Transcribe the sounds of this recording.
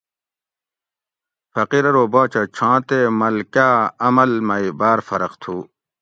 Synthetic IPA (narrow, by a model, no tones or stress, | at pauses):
fɐqiɾɐɾoːbaːt͡ɕʰɐt͡ɕʰãːt̪eːmɐlkaːɐmɐlmɐibaːɾfɐɾɐqt̪ʰuː